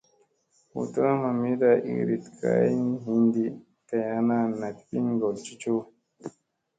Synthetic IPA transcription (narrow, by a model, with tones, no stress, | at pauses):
ṵ˨ta˦a˦ma˨mi˦da˨ʔḭ˨ɾi˨t̪ka̰˦i˦nɦi˦nd̪i˦ | ta˨ja˦na˦na˨t̪ɓi˦nɡɔ˨lt͡ʃi˦t͡ʃo˦